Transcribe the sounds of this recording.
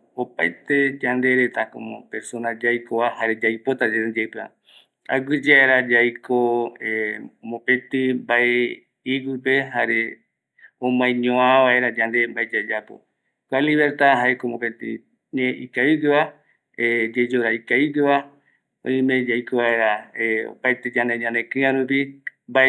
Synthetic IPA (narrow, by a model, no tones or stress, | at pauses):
opajt̪e̞d͡ʒand̪e̞ɾe̞t̪ako̰mõ̰peɾsõnãd͡ʒajkoβahaɾe̞d͡ʒajpot̪ad͡ʒed͡ʒapea̰ | a̰ɡʷɨd͡ʒeaeɾad͡ʒajkʰoemõpẽt̪ɨmbaʔe | iɡɨpe̞haɾe̞ | õmãj̃ɲõãβae̞ɾad͡ʒãnd̪e̞mbaed͡ʒad͡ʒapo̰ | kʷaliβeɾt̪aɦaekomõpet̪ɨ̰ | ɲeʔikaβiɡɨβa | ed͡ʒed͡ʒoɾaikaβiɡɨβa | õ̰ĩmẽ̞d͡ʒajkoβae̞ɾaeo̰pajt̪ed͡ʒand̪eɲãnd̪ekɨ̃ãɾup̬imbae